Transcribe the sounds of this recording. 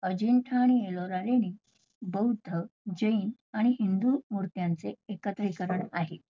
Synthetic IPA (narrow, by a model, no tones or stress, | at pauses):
əd͡ʑiɳʈʰaːɽ̃ieloɾaɾeniː | bəud̪ʱːəd͡ʑəiːn | aɽ̃iɦind̪umuɾt̪jant͡seekət̪əikəɾəɳaɦe